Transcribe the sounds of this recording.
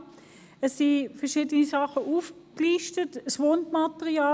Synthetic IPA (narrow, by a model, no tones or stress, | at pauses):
ɛsːifɛɐʁʃiːdənisɑχəʔuːfkliːʃtətsʋondmɑtəʁiɑː